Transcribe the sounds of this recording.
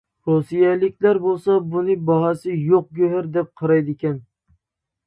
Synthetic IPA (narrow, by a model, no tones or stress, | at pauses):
ɾosijalɪkʲlaɾbolˠsɑbʊnɪbɒɦɑsɪjoq̚ɡʲɵɦaɾd̪ɛp̚qʰɑɾajd̪ɪkʲan